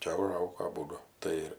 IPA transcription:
ˈt͡ʃʲɛ ʊˈʒɐʊɡoː ɐˈbuːdʊ ˈtɐɪ ɪr

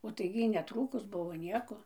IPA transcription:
oː tɐɪ ɡʲɪ ˈjiː nʲɛˈtruːkʊs ˈbʊʋoː ˈnʲiɛkoː

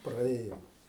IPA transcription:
prɐˈeːjoːm

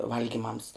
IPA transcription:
ˈʋɐlʲɡʲiːmɐms

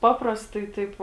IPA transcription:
ˈpɑːprɐstɐɪ ˈtɐɪp

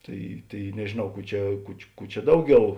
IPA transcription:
ˈtɐɪ ˈtɐɪ nʲɛʒʲeːˈnɐʊ ˈkuː ˈt͡ʃʲɛ ˈkʊ t͡ʃʲɪ ˈkuː t͡ʃʲɛ ˈdɐʊˌɡʲɛʊ

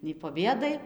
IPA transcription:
nʲɛɪ poː ˈbʲeːdɐɪ

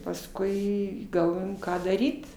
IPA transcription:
pɐsˈkʊɪ ɡɐlˠˈʋoːjoːm ˈkɑː dɐˈrʲiːt

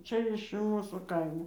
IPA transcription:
ˈt͡ʃʲɛ ɪʃ ˈmuːsuː ˈkɐɪmoː

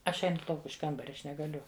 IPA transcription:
ˈɐʃ ˈɛɪnʊ ˈlˠɐʊk ɪʃ ˈkɐmbɐrʲɛ ɐʃ nʲɛɡɐˈlʲʊ

